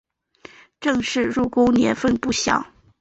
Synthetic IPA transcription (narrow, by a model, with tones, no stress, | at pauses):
ʈ͡ʂɤ˥˧ŋʂɻ̩˥˧ɻu˥˩ko˥ʊnjɛ̰˧˥nfə˥˩npu˥˩ɕjɑ̰˨˩˦ʊ